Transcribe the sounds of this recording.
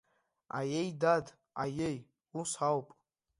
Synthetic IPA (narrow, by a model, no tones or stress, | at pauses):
a̰jejdad | a̰jej | usawpʼ